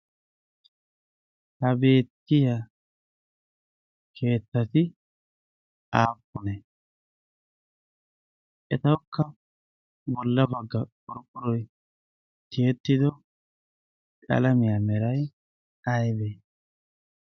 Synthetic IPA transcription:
hɐbe̞ːt̪ːɪja | kʰe̞ːt̪ːɐt̪ɪ | aːpːʊnɛ | ʔɛt̪ɐwkʰːɐ | bɔlːɐbɐɡːɐkʼɔɾkʼʊɾɔj | t̪ɪjɛt̪ːɪd̪ɔ | kʼɐ̰lɐmɪjaːmɛɾɐj | ɐjbeː

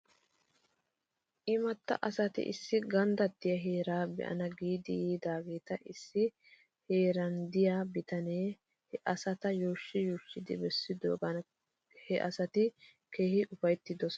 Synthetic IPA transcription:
ʔɪmɐt̪ːɐ̰ʔɐsɐt̪ɪ̰ʔɪ̰sːɪɡɐnd̪ɐt̪ːɪjɐɦeːɾaːbɛ̰ʔɐ̰nɐɡiːd̪ɪjiːd̪aːɡe̞ːt̪ɐʔɪsːɪ | he̞ːɾɐnd̪ɪjaːbɪt̪ɐneː | hɛʔɐsɐt̪ɐjoːʃːɪjoːʃːɪd̪ɪbɛsːɪd̪o̰ːɡɐn | hɛʔɐ̰sɐt̪ɪ | ke̞ːhɪʔʊfɐjt̪ːɪd̪ɔs

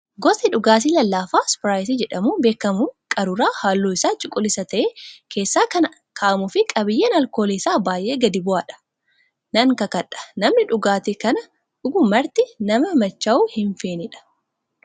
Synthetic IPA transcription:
ɡɔsɪᶑʊɡaːs̬iːlɐlːaːfaːspɾaːjs̬iːd͡ʒɛᶑɐmuːbe̞ːkːɐmʊkʼɐɾʊɾaːhaːlːoːɪsaːt͡ʃʼʊkʼːʊlɪsɐt̪ɐʔekʰe̞ːsːaːkɐnɐ | kʰaːʔɐmʊfɪkʼɐbɪjːeːnɐlko̞ːleːsaːbaːjʔe̞ːɡɐd̪ɪbʊaːᶑɐ̥ | nɐŋkɐkɐᶑɐ̥nɐmnɪᶑʊɡaːt̪ekɐnɐ | ᶑʊɡʊmɐɾt̪ɪnɐmɐmɐt͡ʃːɐuːhɪɱfeːnɪᶑɐ̥

